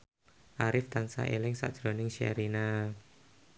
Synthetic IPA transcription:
ʔaɾɪft̪ansa̰ʔelɪŋsa̰d̥ʒ̥ɾonɪŋʃa̰ɾina

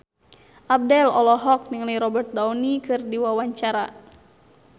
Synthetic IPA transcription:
ʔab̚dɛlɔlɔɦɔk̚niŋliɾɔbɛrt̪̚daunikɨrdiwawaɲt͡ʃaɾa

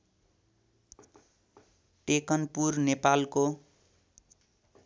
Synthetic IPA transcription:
ʈekʌnpurnepalko

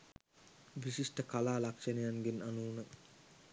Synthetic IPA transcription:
ʋisiʂʈəkalaːlakʂɐnejaŋɡinanuːnə

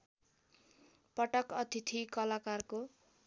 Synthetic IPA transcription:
pʌʈʌkʌt̪ʰit̪ʰikʌlakarko

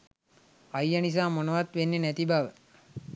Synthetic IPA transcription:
ajːanis̬aːmonəʋat̪ʋenːenæt̪ibaʋə

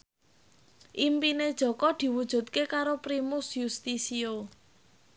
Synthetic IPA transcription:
ʔimpined̥ʒ̥ɔ̤kɔd̪̥i̤wud̥ʒ̥ṳt̪̚kekaɾopɾimʊsjust̪isio

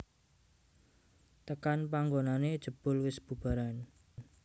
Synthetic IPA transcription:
t̪əkanpaŋɡonaned̥ʒ̥ə̤b̥ʊ̤lwɪsb̥ṳb̥a̤ɾan

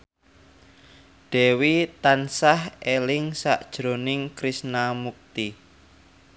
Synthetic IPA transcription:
ɖ̥ɛwit̪ansahelɪŋsaʔd̥ʒ̥ɾo̤nɪŋkɾisnamuk̚t̪i

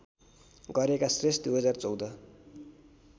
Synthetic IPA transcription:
ɡʌɾekasresd̪ujɦʌd͡zart͡sʌwd̪ʌ

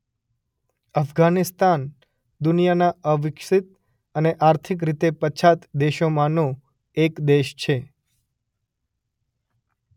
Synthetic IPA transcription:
əfɡanist̪an | d̪ʊnijanaəʋɪkʂit̪̚ | əneʔaɾt̪ʰik̬ɾit̪epət͡ʃʰat̪d̪eʃomãnõ | ekd̪eʃt͡ʃʰe

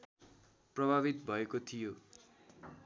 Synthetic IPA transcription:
prʌbʱaβit̪bʱʌekot̪ʰijo

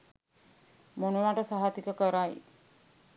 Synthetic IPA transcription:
monuʋaʈəsaɦat̪ikəkəɾaj

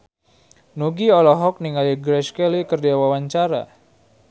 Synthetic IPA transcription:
nuɡiɔlɔɦɔk̚niŋaliɡɾɛskɛlikərdiawawaɲt͡ʃaɾa̰

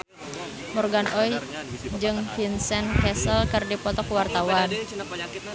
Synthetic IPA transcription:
mɔrɡanɔjd͡ʒɨŋfinsɛnkɛsəlkɨrdipɔt̪ɔkuwart̪awan

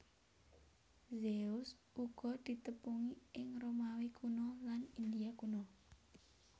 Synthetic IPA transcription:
zeʊs | uɡ̥ɔ̤d̪̥i̤t̪əpuŋiɪŋromawikʰunɔlanind̪iakunɔ

